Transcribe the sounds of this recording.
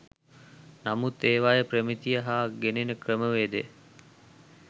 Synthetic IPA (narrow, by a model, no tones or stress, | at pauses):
namut̪eːʋajəpɾəmit̪ijəɦaːɡenenəkrəməʋeːd̪e